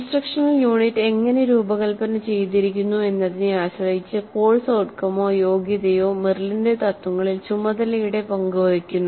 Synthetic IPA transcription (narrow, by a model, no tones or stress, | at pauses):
sʈrɐkʂɐnɐljuːɳitːe̞ŋːɐne̞ɾuːbɐɣɐɭpɐnːɐt͡ɕe̞jt̪iɾikʲːunːue̞nːɐðinɨaːɕɐrɐjit͡ɕːɨko̞ːɭsoːʈkɐmo̞ːjo̞ːɡjɐðɐjoːmirlind̪et̪ɐt̪ːuŋːɐɭilt͡ɕumːɐðɐlɐjuɽe̞pɐŋɡuʋɐrikʲːunːu